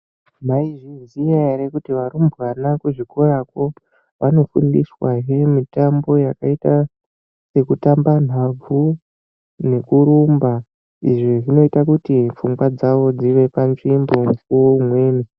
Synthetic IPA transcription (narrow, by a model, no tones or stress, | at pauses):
maiʐizijaeɾekutiʋaɾumbʱɣanakuʐikorako̞ | ʋano̞fundiswaɦemitambo̞jakaita | se̞kutamban̤ab͡vu | ne̞kuɾumba | ḭʐiʐino̞itakutifuŋɡwad͡zaʋo̞d͡ziʋe̞panʐimbomukuwoumwe̞ːni